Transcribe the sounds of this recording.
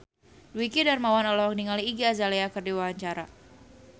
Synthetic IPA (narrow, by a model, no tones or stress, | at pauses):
duwikidarmawanɔlɔɔk̚niŋaliːɡiazaleakɨrdiwawaɲt͡ʃaɾa̰